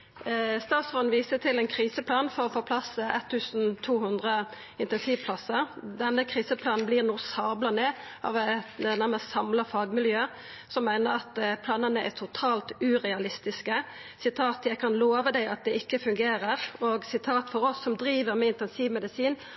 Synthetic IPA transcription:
st̪ɑːt̪sʁɔnʋiːsət̪ʰɪlɛnkʰʁiːsəplɑːnfɔʁɔfoːpʰlɑsːəɛ̰t̪ʰːʉːsn̩t̪ʰuːhʉnd̪ʁə | ɪnt̪ɛnsiːʋpʰlɑsəd̪ɛnːəkʰʁiːsəpʰlɑːnn̩bliːʁnuːsɑːblənɛ | ʔɑ̰ʋæt̪næʁməst̪sɑmləfɑːɡmɪljøː | sɔmːæɪnəɾɑt̪pʰlɑːnənəʔɛ̰t̪ʰʊt̪ʰɑːlt̪ʉʁɛɑlɪst̪ɪskə | sɪt̪ʰɑːt̪jæɪkʰɑnloːʋəd̪æɪɑt̪̚d̪ɛɪkːəfʉŋɡeːɾəʁɔɡsɪt̪ʰɑːt̪fɔɾɔsːɔmd̪ɾiːʋəɾmɛɪnt̪ɛnsiːʋmɛd̪ɪsiːn

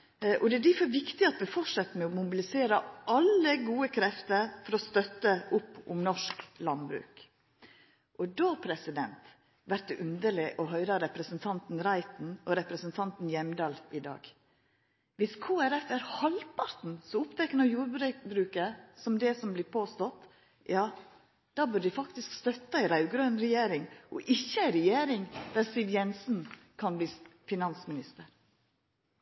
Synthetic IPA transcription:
ʔɔd̪ɛæɖ̪ɪfɔɾʋɪkt̪ɪɑt̪̚d̪ɛfɔʂɑt̪ːmɛɔmʊbɪlɪseːɾəʔɑlːəɡuːəkʰɾɛft̪əɾfɔɾɔst̪œt̪ːəʔʊpːʊ̰mnɔʂklɑnbɾʉ̰ːk | ʔɔd̪oːpʰɾɛsɪd̪ɛnt̪ | ʋæɾʈ̪̚d̪ɛʔʉnd̪əlɪʔɔɦœʏɾɑɾɛpɾɛsənt̪ʰɑnt̪n̩ɾæɪt̪n̩ɔɾɛpɾɛsənt̪ʰɑnt̪n̩jɛmd̪ɑːlɪd̪ɑ̰ːɡ | ʋɪskʰoːæɾɛfæɾhɑlpʰɑɾt̪n̩sɔʊpt̪ʰɛkənɔjuːɾbɾɛbɾʉːkəsɔmd̪ɛsɔmblɪːpʰoːst̪ɔt̪ | jɑː | d̪̥ɑːbʉd̪ɪfɑkt̪ɪskst̪œt̪ːɑæɪɾɑʉɡɾøːnɾɛjeːɾɪŋʔɔ̰ʔɪçːəæɪɾɛjeːɾɪŋd̪̥æsiːʋjɛnsn̩kʰɑnbliːfɪnɑnsmɪnɪst̪əɾ

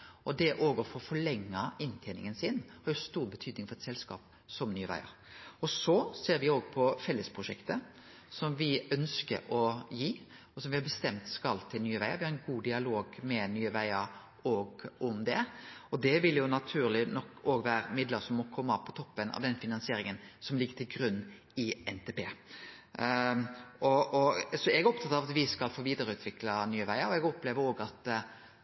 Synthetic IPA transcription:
ɔd̪ɛʔoːɡəɾfɔɾfɔɭɛŋːɑɪnt̪ʰæɪnɪ̰ŋənsɪnhɑɾjʊst̪uːɾbət̪ʰyːd̪nɪŋfɔɾɛt̪sɛlskɑ̰ːp | sɔmnyːəʋæ̰ɪə̰ɾ | ɔsɔseːɾʋɪoːɡpʰɔfɛlːəspʰɾʊʂɛkt̪ə | sɔmʋɪœnskə̰ɾɔjiː | ɔsɔmʋɪhɑɾbəst̪ɛmt̪skɑlt̪ʰɪlnyːəʋæɪə̰ɾʋɪhɑɾɛnɡuːd̪ɪɑloːɡmɛnyːəʋæɪəɾ | ɔːɡɔmd̪ɛɔd̪ɛʋɪljʊnɑt̪ʰʉːɾlɪnɔkːoːɡʋæːɾəmɪd̪ləɾsɔmːɔkʰɔmːəɑʋpʰɔt̪ʰɔpːənɑ̰ʋd̪ɛnfɪnɑnsɪeːɾɪŋənsɔmlɪɡːət̪ʰɪlɡɾʉnː | ɪɛnt̪ʰeːpeː | ʔɔɔsɔɛɡæɾɔp̚t̪ʰɑt̪ːɑʋɑt̪ʋɪskɑlfoːʋiːd̪əɾəʉːt̪ʰʋɪklɑnyːəʋæɪəɾɔɛɡɔpleːʋəɾoːɡɑt̪

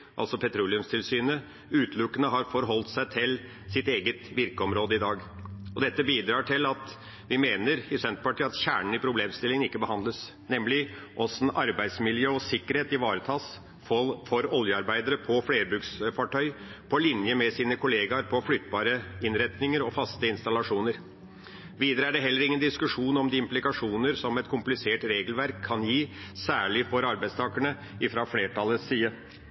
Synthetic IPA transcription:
ʔɑ̰lsɔpʰɛt̪ʰɾuːlɪʉmst̪ʰɪlsyːnə | ʉːt̪ʰlʊkːənəɦɑɾfɔɾɦɔlt̪sæɪt̪ʰɪl | sɪt̪eːɡət̪ʋɪɾkəɔmɾoːd̪əɪd̪ɑːɡɔd̪ɛt̪ːəbiːd̪ɾɑːʈʰɪlɑt̪ | ʋɪmeːnəɾɪsɛnt̪pɑʈiːɑt̪ɕæ̰ːɳəɳ̩ɪpʰɾʊbleːmst̪ɪlɪŋənɪkːəbəhɑnd̪ləs | nɛmlɪ | ʔɔsn̩ɑɾbæɪd̪smɪljøːɔsɪkːəɾheːt̪ɪʋɑːɾət̪ʰɑːs | fɔfɔɾɔljəɑɾbæɪd̪əɾəpʰɔfleːɾbʉːksfɑʈʰœʏpʰɔlɪnjəmɛsiːnəkʰʊleːɡɑɾpʰɔflʏt̪ːbɑːɾəɪnɾɛt̪nɪŋəɾɔfɑst̪əɪnst̪ɑlɑʂuːnəɾ | ʋiːd̪əɾəæɖɛɦɛlːəɾɪŋːənd̪ɪskʉʂuːnɔmd̪ɪɪmplɪkɑʂuːnəɾsɔmɛt̪kʰʊmplɪseːʈɾeːɡəlʋæɾkʰːɑnjiːsæːɭɪfɔɾɑɾbæɪd̪st̪ʰɑːkəɳə | ɪfɾɑfleːʈʰɑləsːiːə

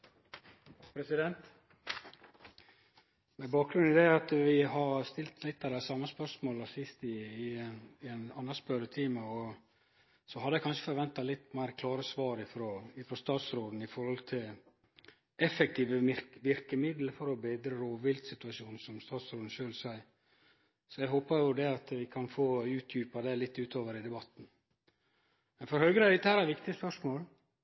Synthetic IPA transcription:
pʰɾɛsɪd̪ɛnt̪ | mɛbɑːk̚ɡɾʉnd̪ɛɾɑt̪ʋɪɦɑɾst̪ɪlt̪ʰlɪt̪ːɑd̪ɛsɑmːəspœʂmoːləsɪst̪ɪː | ɪɛnɑnːəspœɾət̪ʰiːmɑɔ | sɔhɑd̪ɛkʰɑnʂəfɔɾʋɛnt̪ɑlɪt̪ːmæɪɾkʰlɑːɾəsʋɑːɾɪfɾoːɪfɾɔst̪ɑːt̪sɾoːd̪n̩ɪfɔɾhɔlt̪ʰɪl | ɛfɛk̚t̪ʰiːʋəɪɾʋɪɾkəmɪd̪ləfɔɾɔbeːd̪ɾəɾoːʋɪld̪sɪt̪ʉɑʂuːnsɔmst̪ɑːt̪sɾoːd̪n̩ʃøːlsæɪə | sɔɛɦoːpɑɾjʊd̪ɛɑt̪ʋɪkʰɑnfoːʉːt̪ʰjʉːpɑd̪ɛlɪt̪ːʉːt̪ʰoːʋəɾɪd̪ɛbɑt̪ːn̩ | mɛnfɔɾhœʏɡɾəɛd̪ɪt̪ːəhæːɾæɾʋɪkt̪ɪəspœʂmoːl

